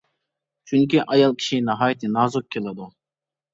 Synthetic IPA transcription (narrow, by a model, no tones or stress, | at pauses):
t͡ʃʰyŋkʲiʔɑjɑlˠkʲʰi̥ʃinɑɦɑːjt̪ʰɪnɑːzuk̚ʲʰːelˠɪd̪u